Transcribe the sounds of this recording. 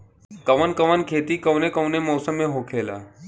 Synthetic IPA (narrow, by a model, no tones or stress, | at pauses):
kɐʋənkɐʋənkʰeːt̪ikəʊnekəʊnemɔːsəmːẽɦoːkʰeːla̰ː